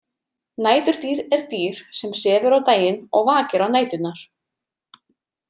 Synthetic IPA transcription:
naːjt̪ʏɾ̥t̪iːɾɛɾ̥t̪iːɾ̥sɛmsɛːvʏɾawt̪aːjɪnɔɣvaːcɪɾawnaːjt̪ʏt̪naɾ̥

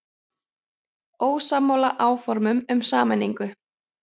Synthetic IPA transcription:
oːwsaːmːowlaʔaːwfɔɾmʏmʏmsaːmɛnːiŋkʏ

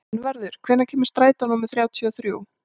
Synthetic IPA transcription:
nvɛɾðʏɾ̥kʰvɛːɾnacʰɛːmɪ̥st̪ɾaːjt̪anɔːmɪ̥θɾjaːwt̪ʰiɔθɾjuːw

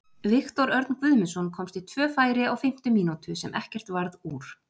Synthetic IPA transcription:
vɪxt̪ɔɾœɾt̪nkvʏðmɪnsɔnkʰɔmst̪it̪ʰv̥œːfaːjɾɪaɣfɪm̥t̪ʏmiːnut̪ʏsɛmʔɛhcɛr̥t̪vaɾðuːɾ̥

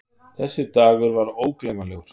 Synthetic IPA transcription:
θɛsːɪt̪aːɣʏɾvaɾoːwklejmalɛɣʏɾ̥

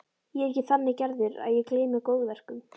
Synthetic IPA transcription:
jɛɛhcɪθanːɪcɛɾðɪɾa̰ðjɛkleːjmɪkoːwɣvɛr̥kʏm

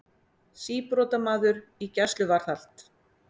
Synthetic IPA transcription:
siːpɾɔːt̪amaːðʏɾicɛst̪lʏvaɾ̥θal̥t̪

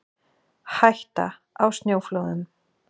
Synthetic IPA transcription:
hajht̪a̰ | awst̪njoːwfloːðʏn

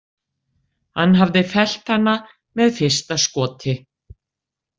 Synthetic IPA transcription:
hanːɦavðɪfɛl̥t̪hanːa | mɛðfɪr̥st̪askɔːt̪ʰɪ

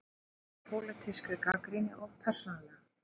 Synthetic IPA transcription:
pʰoːlat̪ʰɪskʏkakɾinɪʔɔɣpʰɛr̥sɔnala

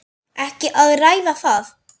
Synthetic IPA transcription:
ɛhcɪʔaðrajðaθaːð

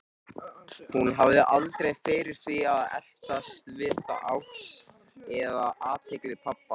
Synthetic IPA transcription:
hunɦavðɪʔalt̪ɾejfɪːɾɪɾ̥θviaðɛ̰l̥t̪ast̪vɪθa̰ʔaws | ɛðaʔaːt̪ʰejklɪpʰapːa

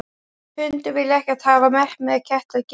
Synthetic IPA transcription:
hʏnt̪ʏvɪlːɪɛhcɛḁt̪haːvamɛr̥mɛðcʰɛht̪laðc

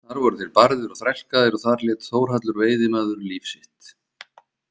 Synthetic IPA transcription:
θaɾvɔɾʏt̪ʰɪlpaɾðɪɾɔθɾɛl̥kaðɪɾɔθaɾljɛːt̪θoːwɾ̥ɦat̪lʏɾveːjðɪmaːðʏɾliːfsɪht̪

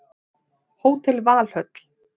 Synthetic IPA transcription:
hoːwt̪ʰɪlvaːl̥hœt̪l̥

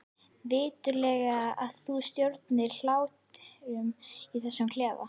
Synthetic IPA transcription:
vɪːt̪ʏlɛːɣaaðθust̪jowɾt̪nɪɾl̥aːwt̪ʏmiθɛsːʏmkʰlɛːva̰

